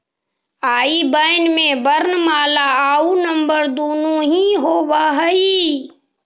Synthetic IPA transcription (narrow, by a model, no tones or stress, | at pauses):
aːibəɪnmẽbəɾnmaːlaaːunə̃mbəɾd̪oːnũɦĩɦoːbaːɦəi